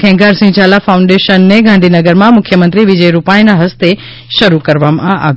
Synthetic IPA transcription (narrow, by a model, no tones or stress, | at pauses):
kʰɛ̃ːŋɡaːɾsĩd͡ʑaːlafaːʊ̃ɳɖeːʃənːẽɡʱãːɳɖʱinɐɡəɾmãmʊkʰjəmə̃nt̪ɾiʋɪd͡ʑəiɾupaːinaɦɐst̪e | ʃɐɾukɐɾʋamãʔa̰ː